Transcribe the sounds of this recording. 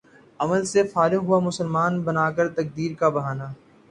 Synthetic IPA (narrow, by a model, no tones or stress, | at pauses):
ɐməlsefaːɾɪɦʊamʊsəlmaːnbɐnaːkəɾt̪ɐk̚d̪iːɾkabɐɦaːnaː